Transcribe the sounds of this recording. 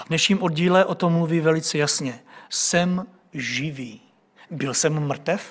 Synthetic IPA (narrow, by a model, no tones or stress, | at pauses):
avnɛʃɲiːmʔodɟiːlɛʔo̞t̪o̞mːluviːvɛlɪt͡sɛjasɲɛsɛm | ʒɪviː | bɪlsɛmːr̩t̪ɛf